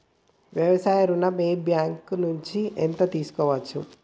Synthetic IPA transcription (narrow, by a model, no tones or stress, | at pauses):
ʋjɐʋɐsaːjɐɾunɐmeːbjaːŋknuɲt͡ʃiʔent̪ɐt̪iːsu̥kɔːʋɐt͡ʃːu